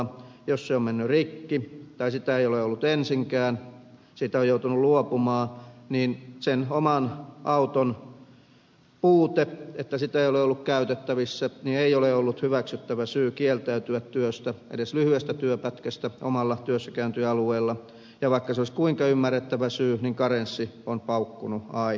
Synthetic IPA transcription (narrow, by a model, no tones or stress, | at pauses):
josseommenːyrikːit̪ɑisit̪æeioleolːut̪ensiŋkæːn | siːt̪æojjout̪unulluopumɑːniːnsenomɑnʔɑut̪on | puːt̪eet̪ːæsit̪æeijoleolːukkæyt̪et̪ːæʋisːænieioleolːut̪hyʋæksyt̪ːæʋæsyːkielt̪æyt̪yæt̪tyøst̪æʔḛdeslyhyest̪æt̪yøpæt̪kæst̪æʔo̰mɑlːɑt̪yøsːækæːnt̪yɑlueilːɑ | jɑʋɑikːɑseoliskuiŋkɑymːærːet̪ːæʋæsyːniŋkɑrensːionpɑukːunuɑi